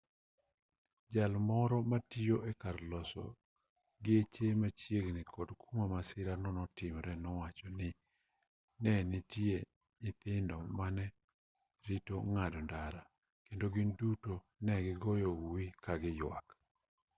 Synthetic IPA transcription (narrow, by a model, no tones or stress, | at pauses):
d͡ʒalmɔɾɔmatijoʔɛkaɾlɔsɔ̰ | ɡɪet͡ʃemat͡ʃjeɡnɪkʰɔdkʰumamasɪɾanɔnɔtɪmɾɛnɔwat͡ʃɔnɪ | nɛnɪtie | ɲɪt̪ɪndɔmanɛ | ɾitoŋadɔndaɾa | kendoɡɪnduto | nɛɡɪɡɔjowikaɡɪjwa̰k